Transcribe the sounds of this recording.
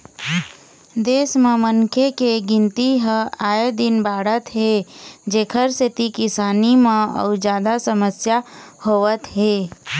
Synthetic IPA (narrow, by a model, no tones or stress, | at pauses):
d̪eːsmẽmənkʰekeɡɪ̃nt̪iɦəaːed̪ɪnbaːɽət̪ɦed͡ʒeːkʰəɾset̪ikɪsaːnimãə̰ʊd͡ʒjaːd̪asəməsjahoːʋət̪ɦeː